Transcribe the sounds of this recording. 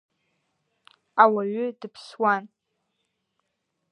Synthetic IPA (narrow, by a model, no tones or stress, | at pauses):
awaɥʏdɨpʰswan